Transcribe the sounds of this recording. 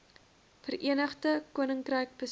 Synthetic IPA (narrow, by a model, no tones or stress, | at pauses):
fərʔiənəχdəkuənəŋkrɛjk̚bəs